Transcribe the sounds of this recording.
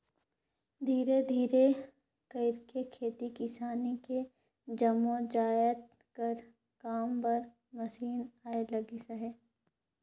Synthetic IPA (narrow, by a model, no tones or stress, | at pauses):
d̪ʱiːɾed̪ʱiːɾe | kɐɪɾkekʰeːt̪ikɪsaːnike | d͡ʒɐmːõd͡ʒaːjət̪ | kɐɾ | kaːmpɐɾ | mɐsiːnaːelɐɡisɐɦɛː